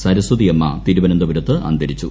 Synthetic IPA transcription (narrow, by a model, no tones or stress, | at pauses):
sɐɾɐsud̪ijemːɐ̰t̪iɾubɐnɐnd̪ɐbuɾɐt̪ːɨʔɐ̰nd̪ɐɾit͡ɕːu